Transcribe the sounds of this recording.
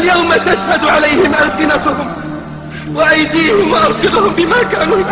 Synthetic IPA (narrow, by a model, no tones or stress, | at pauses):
ljawmat̪aʃhad̪ʕalajhɪmʔalsɪnat̪ʊhʊm | waʔajd̪iːhɪmwaʔɑɾt̪ʊlʊhʊmbɪmaːkaːnuːɪ